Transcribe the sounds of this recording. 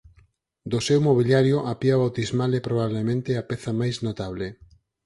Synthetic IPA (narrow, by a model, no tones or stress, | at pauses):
d̪osewmoβiljaɾjoʔapiaβawt̪izmalepɾoβ̞aβlemẽnt̪eapɛθamajznot̪aβ̞le